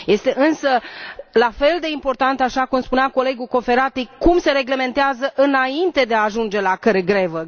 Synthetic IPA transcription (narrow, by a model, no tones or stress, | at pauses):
je̞st̪e̞ʔɨnsəlafe̞ld̪e̞impo̞rt̪ant̪aʃakumspuneako̞le̞ɡuko̞fe̞ɾat̪ikumse̞ɾe̞ɡle̞me̞nt̪eazəʔɨnaint̪e̞d̪eaːʒund͡ʒe̞lakəɾe̞ɡɾe̞və